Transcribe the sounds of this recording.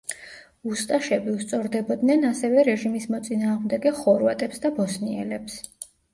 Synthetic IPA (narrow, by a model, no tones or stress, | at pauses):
ust̪ʼaʃɛbiust̪sʼɔɾd̪ɛbɔd̪nɛnasɛvɛɾɛʒimismɔt̪sʼinaːʁmd̪ɛɡɛχɔɾvat̪ʼɛpsd̪abɔsniɛ̰lɛps